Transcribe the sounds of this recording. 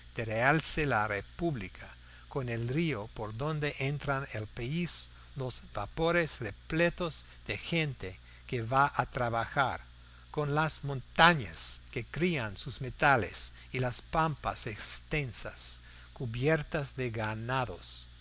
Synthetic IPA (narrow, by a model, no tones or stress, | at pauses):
d̪̥eɾealselarepuβlikʰa | konelriopoɾðõnd̪eʔent̪ɾanelpais | lozvapoɾesreplet̪oz | ðexent̪e | keβaʔat̪ɾaβaxaɾ | konlasmõnt̪aɲa̰skekɾiansusmet̪alḛs | ilaspampa̰sekst̪ensa̰s | kuβjeɾt̪azðeɣanaðo̰s